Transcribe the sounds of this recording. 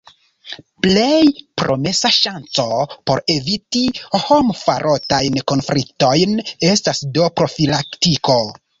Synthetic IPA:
ple̞jpɾo̞̰me̞saʃant͡so̞po̞ɾe̞vitiho̞mfa̰ɾʔo̞tajnko̞nflik̚to̞jne̞stasdo̞pɾo̞filaktiko̞

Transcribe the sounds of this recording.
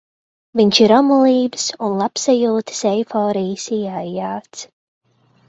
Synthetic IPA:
viɲʲt͡ʃiɾɔmulˠiːbsunlˠapsajulˠt̪sɛjfɔːɾiːsiːajːaːt̪s

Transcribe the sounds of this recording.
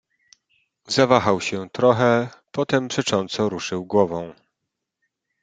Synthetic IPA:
zavaxawɕɛt̪ɾɔxɛpɔt̪ɛmpʂɛt͡ʂɔnt̪sɔɾuʂɘwɡwɔvɔ̃w̃

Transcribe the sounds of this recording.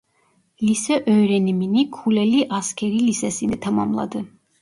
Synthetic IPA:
lisɛʔœːɾɛniminikʰulɛliʔaskʰɛɾilisɛsinɛt̪ʰama̰mlˠa̰d̪ɨ

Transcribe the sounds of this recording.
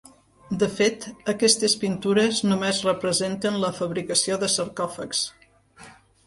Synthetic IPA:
d̪əfet̪əkɛst̪əspint̪uɾəznumezrəpɾəzent̪ənləfəβɾikəsioðəsəɾkɔfəks

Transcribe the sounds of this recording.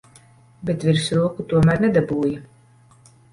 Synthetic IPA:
bet̪vʲiɾsɾuːkut̪uɔmæɾnɛd̪abuːja

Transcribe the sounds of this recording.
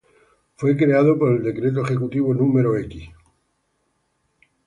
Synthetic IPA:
fwe̞kɾe̞að̞opoɾeld̪e̞kɾe̞t̪̬oexe̞kut̪iβonũmeɾoekis

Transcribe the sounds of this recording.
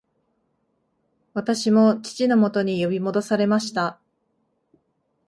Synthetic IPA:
βat̪aɕimo̞t͡ɕi̥t͡ɕino̞mo̞t̪o̞ɲ̟ijo̞bʲimo̞d̪o̞saɾe̞maɕi̥t̪a

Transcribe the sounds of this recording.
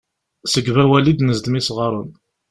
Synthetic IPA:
səɡvæwælid̪nəzd̪misʁəɾˤʊn

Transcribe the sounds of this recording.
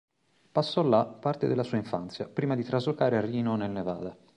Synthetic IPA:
pasːɔlːapːart̪ed̪elːasuːaiɱfa̰nt̪sjapɾiːmad̪it̪ɾazokaːɾearːiːnonelneva̰ːd̪a

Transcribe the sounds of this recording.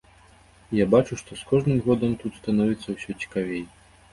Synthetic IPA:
jabat͡ʂuʂt̪ɔskɔʐnɨmɣɔd̪ɐmt̪ut̪st̪anɔvʲit̪sːɐwsʲɔt͡sʲi̥kavʲej

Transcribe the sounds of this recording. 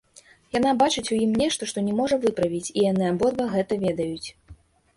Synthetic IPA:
jan̪abat͡ʂɨt͡sʲujimnʲɛʂt̪ɐʂt̪ɔnʲɛmɔʐɐvɨpɾɐvʲit͡sʲijanɨabɔd̪bɐɣɛt̪ɐvʲɛd̪ɐjut͡sʲ

